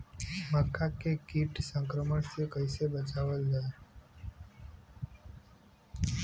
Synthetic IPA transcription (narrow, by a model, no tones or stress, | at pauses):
məkʰːakekiʈsə̃ŋkɾəməɳsekəɪsebət͡ʃaʋəld͡ʒae